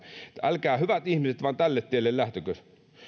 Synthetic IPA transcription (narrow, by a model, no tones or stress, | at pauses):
ælkæːhyʋæt̪ihmiset̪ʋɑnt̪ælːet̪t̪ːeilːellæht̪økøs